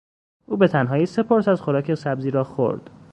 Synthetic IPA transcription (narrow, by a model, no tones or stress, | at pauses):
ʔuːbe̞t̪ʰænɦɒːjiːse̞pʰoɾsæzxoɾɒːcʰesæbziːɾɒːxo̰ɾd̪̥